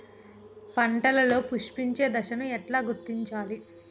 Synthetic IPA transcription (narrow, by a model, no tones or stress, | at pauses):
pɐɳʈɐlɐlo̞ːpuʂpiɲt͡ʃe̞ːd̪ɐʃɐnuɛʈlaːɡuɾt̪ːiɲt͡ʃaːli